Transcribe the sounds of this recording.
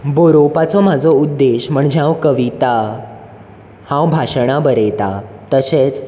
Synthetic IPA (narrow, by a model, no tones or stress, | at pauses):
boɾopat͡sɔm̤ad͡zʱɔud̪ːeɕm̤əɳd͡ʑãwkəʋit̪a | hãwbʱaɕɽabəɾet̪at̪əɕet͡s